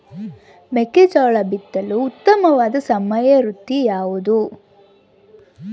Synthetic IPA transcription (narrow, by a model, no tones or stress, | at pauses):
meked͡ʒaːɭɐbit̪ːɐluːt̪ːɐmɐʋaːd̪ɐsɐmɐjɐɾut̪ːijaːʋud̪u